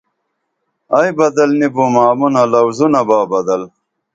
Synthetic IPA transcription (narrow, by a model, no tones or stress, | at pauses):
ɐjbɐd̪ɐlnibumaːmunɐlɐwzunɐbaːbɐd̪ɐl